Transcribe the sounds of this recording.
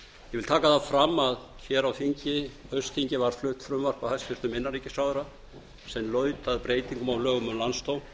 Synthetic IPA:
jɛvɪlt̪ʰaːkaθaðfɾamːað | çɛɾawfiɲcɪœɥst̪ʰiɲcɪvaɾ̥flʏht̪fɾʏmvar̥kvahasfɪɾ̥t̪ʏmɪnːaɾiːcɪsaːwðʏɾa | sɛnlœːɥt̪aðpɾeːjt̪iŋkʏmawlœːɣʏmʏmlanst̪own

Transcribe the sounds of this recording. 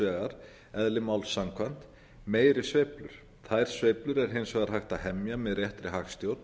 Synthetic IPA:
ɛːɣaɾ̥ | ɛðlɪmaːwlsamkʰvan̥t̪ | meːjɾɪsvejplʏɾ̥ | θajɾ̥svejplʏɾɛɾ̥ɦejnsvɛːɣaɾ̥ɦajxht̪aɦɛmjamɛðrjɛht̪ɾɪɦaxst̪jowt̪n

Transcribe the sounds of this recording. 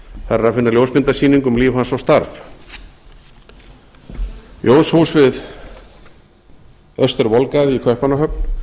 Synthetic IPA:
θaɾɛɾaðfɪnːaljowspɪnt̪asiːniŋkʏmliːvhansɔwst̪aɾf | jʔowshuːsvɪð | œst̪ɛɾvɔlkaðɪikʰvœhpanaɦœk̚n

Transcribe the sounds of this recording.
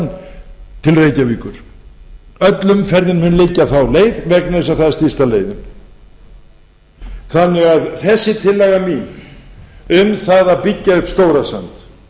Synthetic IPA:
nt̪ʰɪlreːjcaviːkʏɾ̥ | œt̪lʏmfɛɾðɪnmʏnlɪcːaθawleːjðvɛknaðʏsaθaðɪɾst̪ist̪aleːjðɪn | θanːɛɣaðθɛsːɪt̪ʰɪlːɛɣamiɣ | ʏmθaðapɪcːaʏpst̪owɾasant̪

